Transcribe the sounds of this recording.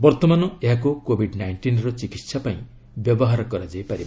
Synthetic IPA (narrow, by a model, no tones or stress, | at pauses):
bɔɾt̪ɔmanɔeɦakukobʱiɖnajɳʈinɾɔt͡ʃikit̪sapaĩ | bjɔbɔɦaɾɔkɔɾad͡ʒajpaɾib